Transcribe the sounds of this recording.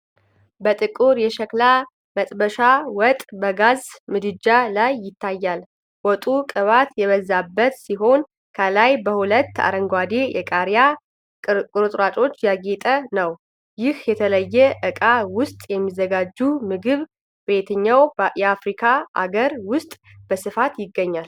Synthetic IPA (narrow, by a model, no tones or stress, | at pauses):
bət̪ʼɨkʼuɾjɛʃɛkla | mət̪ʼbəʃawɔt̪ʼbəɡazmɨd̪ɨd͡ʒalajːɪt̪ʰːajːal | wɔt̪ʼukʼɨβat̪jɛβəzːabːət̪siɦo̞n | kʰəlajbəhulət̪ːa̰ɾəŋɡʷad̪ejɛkʼaɾja | kʼɨɾɨt̪ʼɾat͡ʃʼo̞t͡ʃːjaɡet̪ʼənəw | jɪhjɛt̪ʰələjːɛʔɨkʼawʊst̪ʼjɛmːizəɡad͡ʒːumɨɡɨβ | bet̪ʰəɲːawjɛafɾikʰaʔa̰ɡəɾwʊst̪ʼ | b̥əsɨfat̪jɪɡːəɲːal